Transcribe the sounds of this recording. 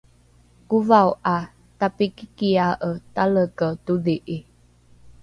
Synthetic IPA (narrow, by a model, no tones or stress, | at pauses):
kuvawʔa | tapikikiaʔətaləkətuðiʔi